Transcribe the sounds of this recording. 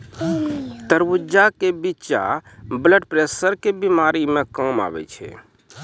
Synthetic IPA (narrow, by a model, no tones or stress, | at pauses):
t̪əɾbud͡ʒakebiːt͡ʃa̰bləɖpɾesəɾkebimaɾimekəma̰bɛ̰t͡ʃʰɛ̰